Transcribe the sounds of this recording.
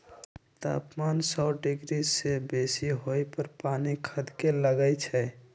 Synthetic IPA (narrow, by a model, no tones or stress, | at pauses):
t̪a̰ːpmansɔːɖɪɡɾisebesiɦoepəɾpaːnikʰəd̪keləɡəjt͡ʃʰɛ